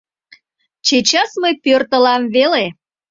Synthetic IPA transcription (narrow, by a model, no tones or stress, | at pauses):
t͡ɕet͡ɕɑsməjpørt̪ə̆lɑmvele